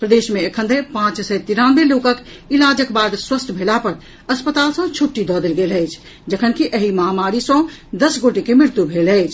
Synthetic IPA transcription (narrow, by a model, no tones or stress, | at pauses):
pɾəd̪eʃmeəkʰənd̪epãt͡ʃsət̪iɾãnbelokək | ilad͡ʒəkbad̪swəsʈʰbʱelapəɾ | əspət̪aːlsə̃t͡ʃʰuʈːid̪ɔd̪elɡeləɪt͡ʃʰ | d͡ʒəkʰənkiʔəɦiməɦamaɾisə̃d̪əsɡoʈekemɾɪɾt̪jubʱeləɪt͡ʃʰ